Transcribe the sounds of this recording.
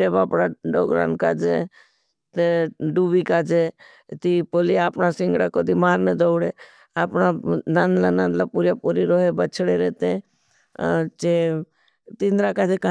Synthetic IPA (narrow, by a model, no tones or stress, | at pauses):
ʈeːbaːpɽaɖoːɡɾa̰ːnka̰ːd͡ʒe | t̪eɖuːʋikaːd͡ʒe | t̪ipoliaːpnasɪ̃ŋɡɽakod̪imaːɾned̪oːɽe | aːpnanaːnlanãnd̪lapuːɾjapuːɾiɾoːɦebət͡ʃʰɽeɾɛːt̪e | t͡ʃe | t̪ĩnd̪ɾakaːd͡ʒeka